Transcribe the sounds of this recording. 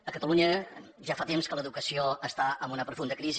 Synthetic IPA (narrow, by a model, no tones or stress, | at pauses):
əkət̪əluɲə | ʒafat̪emskələðukəsioəst̪aəmbunəpɾufund̪əkɾizi